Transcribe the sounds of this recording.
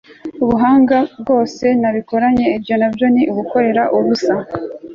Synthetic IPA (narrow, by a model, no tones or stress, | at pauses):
uβuɦaːŋɡabɡo̞ːse̞naβiko̞ɾaɲe̞ibɟo̞nabjo̞niʔuβuko̞ɾe̞ɾaʔuɾusa